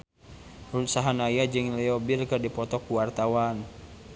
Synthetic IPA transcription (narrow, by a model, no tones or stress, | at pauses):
runsaɦanajad͡ʒɨŋlɛɔbilkɨrdipɔt̪ɔkuwart̪awan